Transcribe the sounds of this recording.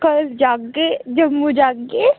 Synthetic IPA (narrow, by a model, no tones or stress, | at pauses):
kɐld͡ʒaːk̚ɡed͡ʒɐmːud͡ʒaːkɡe